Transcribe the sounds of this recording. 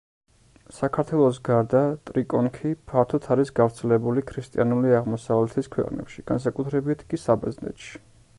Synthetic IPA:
sakʰaɾt̪ʰwɛlˠɔs̬ɡaɾd̪at̪ʼɾikʼɔnkʰipʰaɾt̪ʰɔt̪ʰaɾisɡavɾt̪sʰɛlɛbulikʰɾist̪ʼianuliaʁmɔsavlɛt̪ʰiskʰwɛ̰qʼnɛ̰pʃiɡ̥ans̬akʼut̪ʰɾɛbit̪ʰkʼisabɛznɛ̰t̪ʃi̥

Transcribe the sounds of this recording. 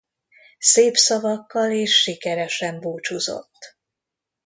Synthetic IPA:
seːpsɒvɒkːɒleːʃːikɛɾɛʃɛmbuːt͡ʃuzo̞̰t̪ː

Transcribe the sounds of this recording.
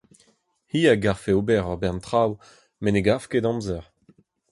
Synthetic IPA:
hiːaɡaʁfeobɛʁɔʁbɛʁnt̪χaw | meneɡafkedɑ̃mzɛʁ

